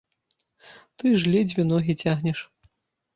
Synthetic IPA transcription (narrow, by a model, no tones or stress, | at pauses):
t̪ɨʐlʲid͡zʲvʲinɔɣʲit͡sʲaɣnʲɛʂ